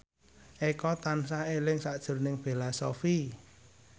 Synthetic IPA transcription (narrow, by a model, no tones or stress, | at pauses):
ʔekɔt̪ansaelɪŋsaʔd̥ʒ̥ʊ̤rnɪŋb̥e̤lasofi